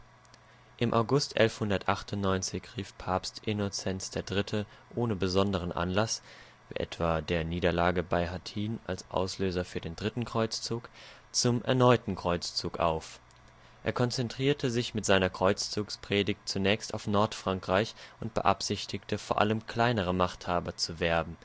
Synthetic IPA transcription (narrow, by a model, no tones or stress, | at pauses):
ʔɪmʔa̰ʊɡʊstʔɛ̰lfhʊndɐtʔaχtʊntnɔʏnt͡sɪçʁ̥iːfpʰaːpstʔɪnot͡sɛnsd̥eːɐdʁɪtʰəʔoːnəbəzɔndəʁ̞ənʔa̰nlas | vḭːʔɛ̰tv̥aːdeːɐniːdɐlaːɡəbaɪhatʰiːna̰lsʔa̰ʊsløːzɐfyːɐdeːndʁɪtn̩kʁ̥ɔʏt͡st͡suːk | t͡sʊmʔɛ̰ɐnɔʏtn̩kʁ̥ɔʏt͡st͡suːkʔa̰ʊf | ʔḛːɐkʰɔnt͡sɛntʁ̥iːɐtʰəzɪçmɪtz̥aɪnɐkʁ̥ɔʏt͡st͡suːkspʁ̥eːdɪçt̚t͡sunɛːçsta̰ʊfnɔɐtfʁ̥aŋkʁ̥aɪçʔʊntb̥ə̰ʔa̰pz̥ɪçtʰɪktəfoːɐʔa̰ləmkʰl̥aɪnəʁ̞əmaχthaːbɐt͡suvɛɐbm̩